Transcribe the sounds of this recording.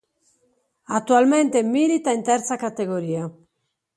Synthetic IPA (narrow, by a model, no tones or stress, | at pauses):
at̪ːualmɛnt̪emilit̪aint̪ɛɾt̪sakat̪eɡoɾiːa